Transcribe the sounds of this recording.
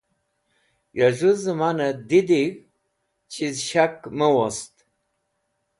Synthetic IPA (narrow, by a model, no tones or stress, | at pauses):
jaʒuzɨmanəd̪id̪iɣ | t͡ɕʰizʃakməwɔst̪